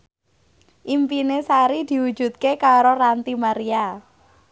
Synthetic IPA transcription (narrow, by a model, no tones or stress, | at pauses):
ʔimpinesaɾid̪̥i̤wud̥ʒ̥ṳt̪̚kekaɾorant̪imaɾia